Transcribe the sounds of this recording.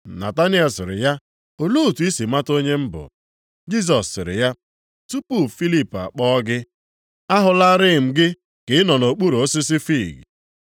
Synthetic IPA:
na̰˨ta˦ni˦ɔ˨sɪ˨ɾɪ̰˨ja˦ | o˨lu˦˨tu˨i˦si˨ma˦to˦ɲe˦m̩˦bʊ̰˨ | d͡ʒi˦s̬ɔ˨sːɪ̰˨ɾɪ̰˨ja˦ | tu˦pu˦fi˦li˦pa̰˨k͡pɔ˦ɡɪ˦ | a˦ɦʊ˨la˦ɾɪ˦˨m̩˨ɡɪ˦ | kɪ˨ɪ˦nɔ˨no˨k͡pu˦ɾo˨o˦sɪ˦sɪ˦fi˦˨ɡ

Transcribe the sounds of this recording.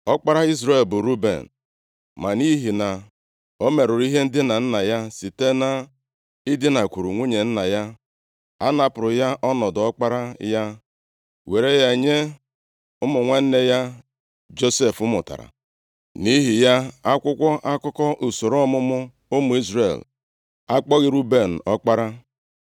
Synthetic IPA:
ɔ˦k͡pa˦ɾa˦i˦zɾe˨lbʊ˨ɾu˦bḛ˨n̩˨ | ma˨ni˦ɦi˨na˨ | o˦me˨ɾʊ˨ɾi˦ɦe˦n̩˦dɪ˦na˨n̩˦na˨ja˦si˨te˦na˨ | ɪ˦dɪ˦na˨kʷu˨ɾu˨ŋʷu˦ɲe˨n̩˦na˨ja˦ | a̰˦na˨pʊ˨ɾʊ˨ja˦ʔɔ˦nɔ˨dʊ˨ɔ˦k͡pa˦ɾa˦ja˦ | we˨ɾe˦ja˦e˨ɲe˦ | ʊ˦mʊ˨ŋʷa˦n̩˦ne˦ja˦ | d͡ʒo˦se˦˨fʊ˦mʊ̰˨ta̰˨ɾa̰˨ | ni˦ɦi˨ja˦a˦kʷʊ˦kʷɔ˦ʔa˦kʊ˦kɔ˦ʔu˨so˨ɾɔ˦mʊ˦mʊ˦ | ʊ˦mʊ˨˦i˦zɾḛ˨l | a˦k͡pɔ˦ɣɪ˦ɾu˦be˦˨n̩˨ɔ˦k͡pa˦ɾa˦

